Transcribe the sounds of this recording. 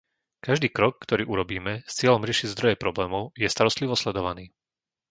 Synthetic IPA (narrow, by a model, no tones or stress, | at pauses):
kaʒd̪iːkɾɔkːt̪ɔɾiːʔuɾɔbiːmɛst͡sɪɛʎɔmɾɪɛʃiɟzd̪ɾɔjɛpɾɔblɛːmɔʊjɛst̪aɾɔst̪liʋɔslɛd̪ɔʋaniː